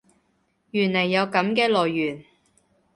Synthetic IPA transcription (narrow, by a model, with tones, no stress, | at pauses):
jyː˨˩nlɐ˨˩jːɐ˨˧wkɐ˨˥mkɛː˧lɔː˨˩jːyː˨˩n